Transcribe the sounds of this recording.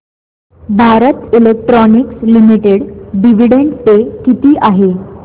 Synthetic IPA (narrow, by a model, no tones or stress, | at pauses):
bʱaɾət̪ilek̚ʈɾɔnikslimiʈeɽɖiʋ̤iɽeɳɖt̪ekit̪iːʔaɦe